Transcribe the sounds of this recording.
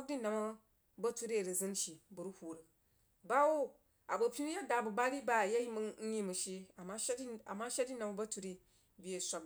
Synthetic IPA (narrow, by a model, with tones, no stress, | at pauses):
di˦na˨mɐ˦ | bɐ˦tu˦ɾi˦˨ɾi˨zɨ˦n˦ʃi˨bu˨ɾu˦hu˨ɾɨ˨ | ba˦wo˦ | a˨bɐ˨pʲi˦n˦ja˦da˨bu˨ba˦ɾi˦ba˦˨ja˦ji˦m˦n̩˦ɲi˦mu˨ʃi˦a˨ma˦ʃa˨ma˦ʃa˦di˦na˨ma˦bɐ˦tu˦ɾi˦ | bʲi˦je˨sʷa˦b